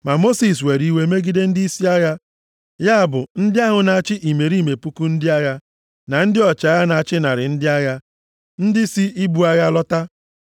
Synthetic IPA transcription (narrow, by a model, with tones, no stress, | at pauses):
ma˨mo˦si˨s̬we˨ɾi˦we˦me˦ɡi˦de˦n̩˦di˦si˦a˦ja˦ | ja˦a˨bʊ˨n̩˦dɪ˦a˦ɦʊ˨na˨a˦˨t͡ʃɪ˦ʔi˨me˨ɾi˦˨me˨pu˦ku˦n̩˦dɪ˦a˦ɣa˦ | na˨n̩˦dɪ˦ɔ˨t͡ʃa˨˦ɣa˦na˨a˨t͡ʃɪ˦na˨ɾɪ˨n̩˦dɪ˦a˦ɣa˦ | n̩˦dɪ˦si˦i˦bu˨a˦ɣa˦lɔ˦ta˦